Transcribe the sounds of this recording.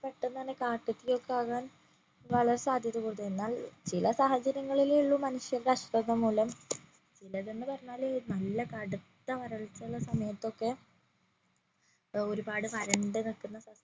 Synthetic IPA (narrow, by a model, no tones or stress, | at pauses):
pɐʈːunɐnːekaːʈːut̪ːijo̞kːeaːɣaːn | ʋɐɭɐɾesaːd̪ʱjɐðukuːɽut̪ːue̞nːaːlt͡ɕilɐsaːhɐt͡ɕɐɾjɐŋːɐɭiliɭːumɐnuʂjɐrɐʂrɐðɐmuːlɐm | t͡ɕilɐðenːɨpɐrɐɲːaːlnɐlːɐkɐɽut̪ːɐʋɐɾɐɭit͡ɕːɭːɐsɐmɐjɐt̪ːo̞kːe̞ | o̞ɾubaːɽɨpɐɾɐɳɖɨniɭkːunːɐsɐ